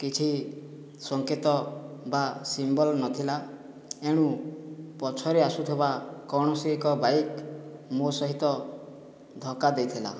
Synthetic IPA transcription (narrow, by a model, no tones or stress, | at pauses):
kit͡ʃʰi | sɔŋket̪ɔbasimbɔlnɔt̪ʰila | eɽ̃ũpɔt͡ʃʰɔɾeasut̪ʰibakɔɽ̃ɔsiikɔbaikmosɔɦit̪ɔ | d̪ʱɔkad̪ejt̪ʰila̰